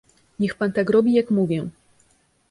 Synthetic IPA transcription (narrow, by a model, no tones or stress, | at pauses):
ɲɛxpant̪akɾɔbʲijakmuvʲjɛ